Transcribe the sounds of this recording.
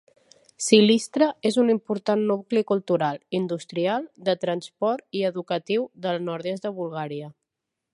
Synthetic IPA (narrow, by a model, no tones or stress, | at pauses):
silist̪ɾəezunimpuɾt̪anːuklikulˠt̪uɾalˠind̪ust̪ɾialˠd̪ət̪ɾənspɔɾt̪iəðukət̪iwðəlˠnɔɾðezðəβulˠɣaɾiə